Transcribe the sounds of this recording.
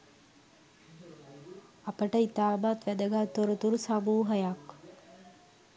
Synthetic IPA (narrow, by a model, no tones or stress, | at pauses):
apəʈəit̪aːbat̪ʋæd̪əɡaːt̪oɾut̪uɾusabuːɦəjak